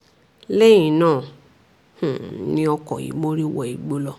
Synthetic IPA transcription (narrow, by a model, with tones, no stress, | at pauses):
le˦jĩ˨nãː˦˨ | h̩˨nĩ˦ɔ˧kɔ̰˨ḭ˨mo˦ɾi˦wɔ˧˨i˨ɡ͡bo˦lɔ˧